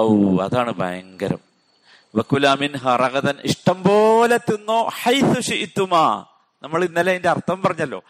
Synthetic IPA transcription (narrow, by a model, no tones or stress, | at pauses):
ɐwɐ̰ðaːɳɨbʱɐ̰jɐŋɡɐɾɐ̰m | ʋɐkulaːminɦɐrɐɣɐðɐniʂʈɐmbo̞ːlet̪ːunːoːħajθuʂiʔt̪ːumaː | nɐmːɐɭinːɐleindeɐrt̪ʰːɐʋmpɐrɐɲːɐlːo̞̰ː